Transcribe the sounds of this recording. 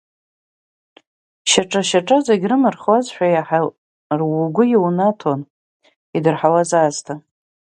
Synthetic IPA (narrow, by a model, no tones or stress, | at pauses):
ʃaʈ͡ʂʼaʃaʈ͡ʂʼazeɡʲrɨmɨrχwazʃᶣajaħa | rwuɡʷʊjiwnatʰon | idɨrħawazaːztʰa